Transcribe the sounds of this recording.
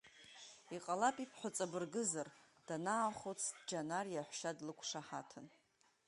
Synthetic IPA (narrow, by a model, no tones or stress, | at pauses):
iqʼalapʼipʰħʷʊt͡sʼabɨrɡɨzar | d̥anaːχot͡sʰdd͡ʒanarjaħʷʃadlɨkʷʰʂaħa̰tʰɨn